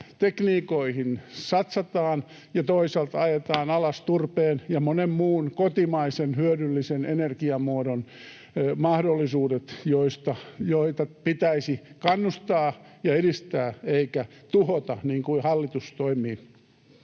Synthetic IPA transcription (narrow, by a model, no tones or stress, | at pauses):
t̪ekniːkoihinsɑt̪sɑt̪ɑːn | jɑt̪oisɑlt̪ɑjet̪ɑːnɑlɑst̪urpeːnjɑmonemmuːnkot̪imɑisenhyødylːisenenerkiɑmuodon | mɑhdolːisuːdet̪joist̪ɑjoit̪ɑpit̪æisikɑnːust̪ɑː | jɑedist̪æːeikæ | t̪uhot̪ɑniːŋkuihɑlːit̪ust̪oimiː